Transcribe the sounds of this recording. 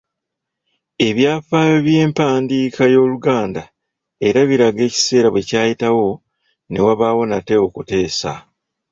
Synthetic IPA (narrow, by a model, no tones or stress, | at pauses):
e̞βjaːfaːjoβje̞ːmpaːndiːkʰajo̞ːluɡaːnda | e̞ɾaβiɾaɡe̞ːci̥se̞ːɾaβwe̞caːjitawo̞ | ne̞waβaːwo̞nate̞okute̞ːsa̰